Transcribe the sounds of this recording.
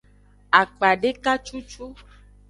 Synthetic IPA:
a˨k͡pa˨ɖe˦ka˦t͡ʃu˦t͡ʃu˦

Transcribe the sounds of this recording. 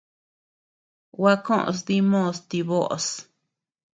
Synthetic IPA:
wa˦kõ˦ʔs̬ði˦mõ˦˧st̪i˧βo˦ʔs

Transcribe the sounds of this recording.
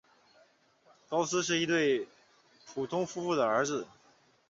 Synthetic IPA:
kɑ˥ʊs̩˥ʂ̬ɻ̩˥˩i˧˥t̪̬we˥˩ɪ | pʰu˨˩t̪ʰʊ˥ŋfu˥fu˥˩d̪ə˩ə˞˧˥d͡zɹ̩˧˩˦

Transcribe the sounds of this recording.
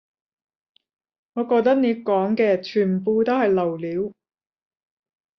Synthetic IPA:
ŋɔː˨˧kɔː˧k̚t̪ɐ˥k̚ne˨˧jkɔː˨˥ŋkɛː˧t͡ʃʰyː˨˩n˨˩puː˧t̪o˥whɐ˨jlɐ˨˩wliː˨˧˥w

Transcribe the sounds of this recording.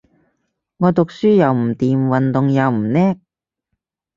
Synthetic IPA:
ŋɔː˨˧t̪ʊ˨k̚syː˥jɐ˨wm̩˨˩t̪iː˨mwɐ˨nt̪ʊ˨ŋjɐ˨wm̩˨˩nɛː˥k̚

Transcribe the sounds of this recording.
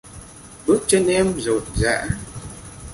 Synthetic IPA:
ɓɨ˦˥ək̚t͡ɕe˧nʔɛ˧mzo˨˩n̚za̰ː˧˥

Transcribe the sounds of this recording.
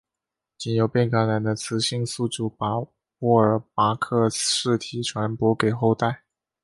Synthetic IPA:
t͡ɕi˨˩njo˨˩ʊpjɛ˥˩nka˧˥nla˨˩nd̪ə˧t͡sʰɹ̩˧˥ɕi˥˧ŋsu˥˧ʈ͡ʂu˥˩p | pu˥˩ə˞˨˩pa˧˥kʰɤ˥˧ʂɻ̩˥˩t̪ʰi˨˩ʈ͡ʂʰwa˧˥npwɔ˧˥ke˨˩ɪxo˥˧ʊt̪a˥˩ɪ

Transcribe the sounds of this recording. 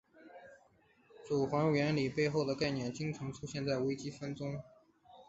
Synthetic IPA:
t͡su˨˩xwa˧˥nɥɛ˧˥nli˨˩pe˥˧ɪxo˥˩ʊd̪ə˩ka˥˩ɪnjɛ˥˩nt͡ɕi˥ŋʈ͡ʂʰɤ˧˥ŋʈ͡ʂʰu˥ɕjɛ˥˧nt͡sa˥˩ɪwe˥ɪt͡ɕi˥fə˥nʈ͡ʂʊ˥ŋ

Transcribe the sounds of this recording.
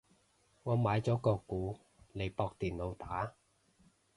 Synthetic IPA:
ŋɔː˨˧maː˨˧jt͡sɔː˨˥kɔː˧kuː˨˥ | le˨˧jpɔː˧k̚t̪iː˨˩nlo˨˧wt̪aː˨˥

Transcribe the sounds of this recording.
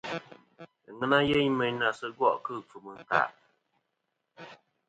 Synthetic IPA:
ŋɨ˦na˦je˦ɲmə˦ɲ˦na˨sɨ˦ɡwɔ˦ʔkɨ˦˨p͡fu˨mɨ˨n˨ta̰˨ʔ

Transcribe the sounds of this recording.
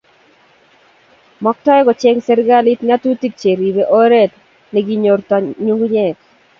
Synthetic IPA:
mɔ˦k̚tɔ˦jɛ˦ɡɔ˨t͡ʃɛ˦ŋsɛ˦ɾɡa˦li˦tŋa˦tu˦ti˦k̚t͡ʃe˨ɾi˨be˨ʔo˦ɾɛ˦˨t | ni˨ɡi˦ɲo˨ɾtɔ˨ɲu˦ŋɡu˦ɲɛ˦˨k̚

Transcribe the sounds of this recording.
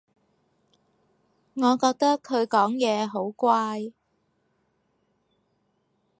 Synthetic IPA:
ŋɔː˨˧kɔː˧k̚t̪ɐ˥kʰːɵ˨˧ɥkɔː˨˥ŋjɛː˨˧ɦo˨˥wkʷaː˧j

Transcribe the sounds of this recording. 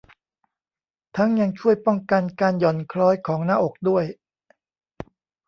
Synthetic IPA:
t̪ʰa˦˥ŋja˧ŋt͡ɕʰu˥˩əjpɔ˥˩ŋka˧nkaː˧njɔ˨˩nkʰɾɔː˦˥jkʰɔː˩˦ŋnaː˥˨ʔo˨˩k̚du˥˩əj

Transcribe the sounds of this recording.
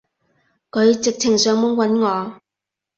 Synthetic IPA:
kʰɵ˨˧ɥt͡sɪ˨k̚t͡sʰɪ˨˩ŋsœː˨˧˥ŋmʊ˨˧˥ŋwɐ˨˧˥nŋɔː˨˧

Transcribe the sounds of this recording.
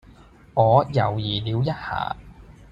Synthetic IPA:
ŋɔː˨˧jɐ̰˨˩wjiː˨˩liː˨˧wjɐ˥t̚ha̰ː˨˩

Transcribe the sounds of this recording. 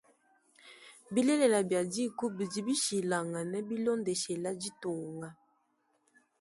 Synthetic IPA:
bi˦le˦le˨la˨bja˨di˦˨ku˦bi˨di˨bi˦ʃi˨la˨ŋa˨nɛ˦bi˦lo˦nde˨ʃɛ˨la˦di˦to˨ŋɡa˦

